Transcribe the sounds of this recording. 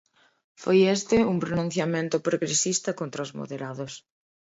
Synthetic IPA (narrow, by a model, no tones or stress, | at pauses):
fojest̪ɪuŋpɾonũn̟θjamẽnt̪ʊpɾoɣɾesist̪ɐkont̪ɾɐʊzmo̰ðeɾaðos